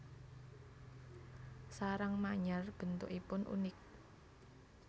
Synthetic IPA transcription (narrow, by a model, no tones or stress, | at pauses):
saɾaŋmaɲarb̥ə̤nt̪ʊkipʊnʔṵnɪk̚